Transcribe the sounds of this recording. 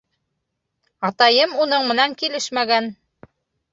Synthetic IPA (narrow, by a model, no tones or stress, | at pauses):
ɑt̪ɑjɤmunɤɴmɘ̆næŋkilɘʃmæɡæn